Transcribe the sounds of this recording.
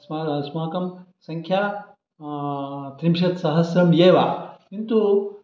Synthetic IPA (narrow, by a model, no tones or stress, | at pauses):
smaːsmaːkɐm | sɐŋkʰjaː | t̪ɾimʃɐt̪sɐɦɐsɾɐmjeːʋaːint̪u